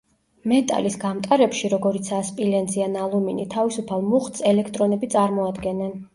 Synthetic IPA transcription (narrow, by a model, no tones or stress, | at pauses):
mɛt̪ʼa̰lisɡamt̪ʼaɾɛpʃiɾɔɡɔɾit̪sʰaspʼilɛnzianalˠuminit̪ʰavisupʰalˠmuχt̪sɛlɛkʰt̪ʼɾɔnɛbit̪sʼaɾmɔad̪ɡɛnɛn